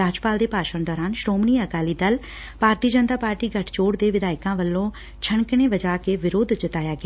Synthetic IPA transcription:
aːd͡ʒpaːld̪eːpaːʃəɳd̪ɔːɾaːnʃɾoːmniːəkaːliːd̪əl | paːɾt̪iːd͡ʒənt̪aːpaːɾʈiːɡʱəʈʰt͡ʃoːɽd̪eːʋɪd̪aːɪkãːʋəlːõː | t͡ʃʰəɳkɳeːʋəd͡ʒaːkeːʋɪɾoːd̪d͡ʒət̪aːjaːɡɪaː

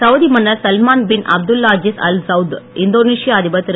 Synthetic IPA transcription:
sɐʋd̪imɐnːɐɾsɐlmaːnbɪnʔɐ̰b̚d̪ʊlːaːd͡ʒɪsɐ̰lsɐwd̪ɪnd̪oːneːʂɪjaɐd̪ɪbɐt̪ːɾ

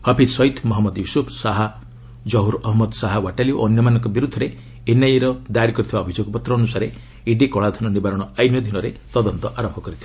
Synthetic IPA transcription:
hɔpʰisɔit̪ʰmɔɦɔmːɔd̪jusupʰsaɦa | d͡ʒɔɦuɾɔɦɔmɔd̪saɦawaʈalioʔɔnjɔmanɔŋkɔbiɾud̪ʱːɔɾe | enajiɾɔd̪ajɾikɔɾit̪ʰibaɔbʱid͡ʒoɡɔpɔt̪ɾɔːnusaɾe | iɖikɔɭad̪ʱɔnɔnibaɾɔɽ̃ɔajmjɔd̪ʱinɔɾet̪ɔd̪ɔnt̪ɔʔaɾɔmbʱɔkɔɾit̪ʰiba

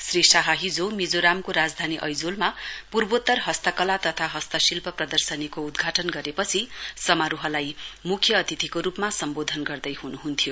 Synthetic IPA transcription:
srisaɦʌɦid͡zomid͡zoɾamkoɾad͡zd̪ʱaniʔʌjd͡zolmapurbot̪ːʌrɦʌst̪ʌkʌlat̪ʌt̪ʰaɦʌst̪ʌsilpʌprʌd̪ʌrsʌnikoud̪ɡʱaʈʌnɡʌɾepʌt͡sʰisʌmaɾuɦʌlajmukʰjʌːt̪it̪ʰikoɾupmasʌmbod̪ʱʌnɡʌrd̪ʌjɦunuɦunt̪ʰijo

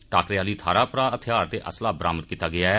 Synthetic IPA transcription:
ʈaːkɾeaːliːt̪ʰaːɾaːpɾaːət̪ʰɪjaːɾt̪eːʔəslaːbɾa̰ːmət̪̚kiːt̪aːɡɪaːɛː

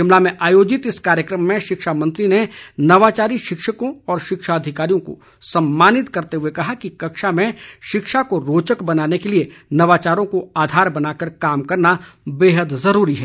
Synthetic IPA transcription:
ʃɪmlamẽʔaːjoːd͡ʒɪt̪ɪskaːɾjəkɾəmːẽʃɪkʃamɐ̃nt̪ɾinenɐʋaːt͡ʃaːɾiʃɪkʃəkõɔːɾʃɪkʃaɐd̪ʱɪkaːɾijõko̰ | sɐmːaːnɪt̪kɐɾt̪eɦuekɐɦakikɐkʃamẽʃɪkʃakoɾoːt͡ʃəkbɐnaːnekelienɐʋaːt͡ʃaːɾõkoaːd̪ʱaːɾbɐnaːkəɾkaːmkɐɾnabeːɦəd̪zɐɾuːɾiɦɛː

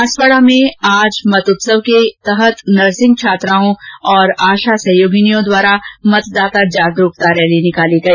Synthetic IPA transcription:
aswəɽamẽaːd͡ʒmɐt̪ʊt̪səʋket̪ɐɦət̪nɐɾsɪ̃ŋɡ̚t͡ʃʰaːt̪ɾaːõɔːɾaːʃasɐ̃ɦjoːɡɪnijõd̪waːɾamɐt̪d̪aːt̪ad͡ʒaːɡɾʊːk̚t̪aɾɛɦlinɪkaːliɡɐiː

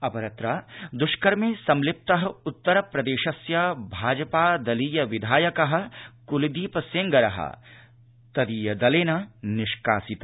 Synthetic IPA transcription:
ɐpɐɾɐt̪ɾaːd̪ʊʃkɐɾmẽːsɐmlɪp̚t̪ɐɦɐ̆ʊt̪ːɐɾɐpɾɐd̪eːʃɐsjabʱaːd͡ʒɐpaːd̪ɐliːjɐʋɪd̪ʱaːjɐkɐɦɐ̆kʊlid̪iːpɐsẽŋɡɐɾɐ̰ɦɐ̰ | t̪ɐd̪iːjɐd̪ɐleːnɐnɪʃkaːsit̪

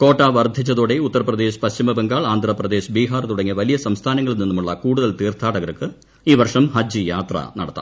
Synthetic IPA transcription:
ko̞ːʈːaːʋɐrd̪ʱit͡ɕːɐðoːɽeut̪ːɐrɐprɐd̪e̞ːɕpɐɕtimɐbeŋɡaːɭaːnd̪ʱrɐprɐd̪e̞ːɕbiːɦaːrt̪uɽɐŋːiʋɐlijɐsɐmst̪ʰaːnɐŋːɐɭininːumuɭːɐkuːɽuðɐlt̪iːrt̪ʰaːɽɐɣɐɾɐkːɨ | iːʋɐrʂɐmhɐd͡ʑijaːt̪rɐ̰nɐ̰ɽɐt̪ːa̰ːm

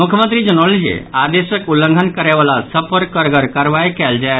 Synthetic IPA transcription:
mukʰjəmənt̪ɾid͡ʒənəlid͡ʒḛad̪esəkulːə̃ŋɡʱənkəɾɛʋalasəpʰəɾkəɾɡəɾkaɾʋaikɛld͡ʒae

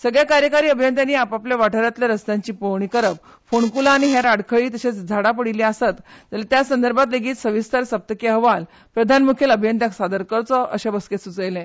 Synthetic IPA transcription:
səɡɭjakaɾjəkaɾiːəbʱijənt̪janiːapapljaʋaʈʰəɾjat̪ljaɾəst̪jãɲt͡ɕiːpoɾɳikəɾəp | foɳkulaːɽ̃iɦɛɾaɽkʰəɭiːt̪əɕet͡sd͡zʱaɽapəɽiliasət̪d͡zalat̪jasənd̪əɾbʱat̪̬leɡiːt̪səʋist̪ʰaɾsəp̚t̪əkeɦəʋal | pɾəd̪ʱanmukʰjeləbʱjənt̪jaksad̪əɾkəɾt͡sɔʔə̰ɕebəsket̪sut͡səjlɛ̃

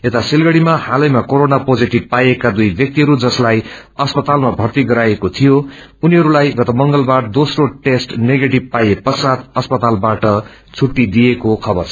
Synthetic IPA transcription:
et̪asilɡʌɽimahalʌjmakoɾonapod͡ziʈib̚pajekad̪ujbjʌk̚t̪iɦʌɾud͡zʌslaj | ʌspʌt̪almabʱʌrt̪iɡʌɾajekot̪ʰijo | uniɦʌɾulajɡʌt̪ʌmʌŋɡʌlbard̪osroʈesʈneɡeʈib̚pajepʌsad̪ʌspʌt̪albaʈʌ | t͡sʰuʈːid̪ijekokʰʌbʌrt͡sʰ

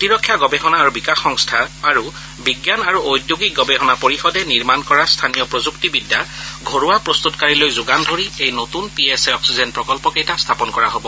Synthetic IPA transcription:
tiɹɔkʰːjaɡɔbeɦɔnaːɹubikaxɔŋstʰaːɹu | biɡjanaɹuojdjuɡik̚ɡɔbeɦɔnapoɹixɔdɛniɹmankɔɹastʰanijɔpɹozuktibidːaɡʱoɹuwapɹost̪utkaɹilojzuɡandʱoɹiejnotunpiesɛɔksizɛnpɹɔkɔlpɔkɛjtastʰapɔnkɔɹaɦobɔ

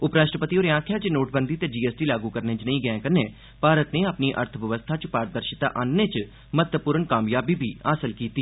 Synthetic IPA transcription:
ʊpɾaːʃʈɾəpət̪iːoːɾãːkʰjaːt͡ʃnoːʈ̚bənd̪iːt̪eːd͡ʒiːeːsʈiːlaːɡuːkəɾnẽːt͡ʃnəĩːɡəɛ̃ːkəneː | paːɾət̪neːəpniːʔə̰ɾt̪ʰʋəʋəst̪ʰaːt͡ʃpaːɾd̪əɾʃɪt̪a̰ːʔaːnːeːt͡ʃ | mət̪əpuːɾəɳkaːmjaːbiːbʱiːaːsəlkiːt̪iː

